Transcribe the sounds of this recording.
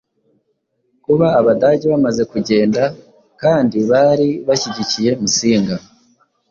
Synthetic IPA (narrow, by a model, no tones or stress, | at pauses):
kuβaːβadaːɟeβamaze̞kuɟe̞ːnda | kaːndiβaɾiβaçiɟicije̞musiːŋɡa